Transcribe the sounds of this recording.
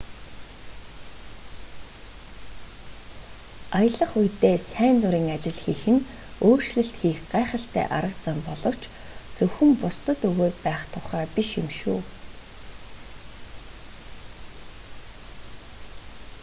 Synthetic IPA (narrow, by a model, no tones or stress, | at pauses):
ajə̆ɮə̆χujt̪eːsæːnt̪ʊɾiːŋat͡ɕɪ̆ɮxiːxɘ̆n | oːr̥ʃɮɘ̆ɬt̪xiːxɢæːχə̆ɬt̪æ̰ːʔaɾə̆kt͡sampɔɮɞ̆w̥t͡ɕ | t͡sɵxɘ̆mpʊst̪ə̆t̪ɵɣoːt̪̚pæːχt̪ʰʊχaːpiʃemʃuː